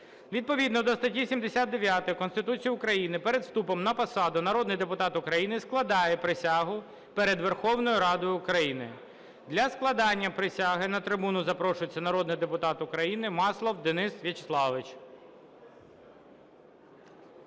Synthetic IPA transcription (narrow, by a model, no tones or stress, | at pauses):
ʋʲid̪̚pɔʋʲid̪nɔd̪ɔst̪ɐtʲisʲimd̪esʲad̪̚d̪eʋʲjat̪ɪjkɔnst̪ɪt̪ut͡sʲijʊkɾɐjinɪpɛɾed̪st̪upɔmnɐpɐsɑd̪ʊnɐɾɔd̪nɪjd̪epʊt̪ɑt̪ʊkɾɐjinɪsklˠɐd̪ɑjɛpɾɪsʲɑɦʊ | pɛɾed̪ʋerxɔwnɔjʊɾɑd̪ɔjʊʊkɾɐjinɪ̰ | d̪lʲɐsklˠɐd̪ɑnʲːɐpɾɪsʲɑɦɪnɐt̪ɾɪbunʊzɐpɾɔʃʊjet͡sʲːɐnɐɾɔd̪nɪjd̪epʊt̪ɑt̪ʊkɾɐjinɪmɑslˠɔwd̪ɪnɪsʋʲit͡ʃe̥slˠɑʋɪt͡ʃ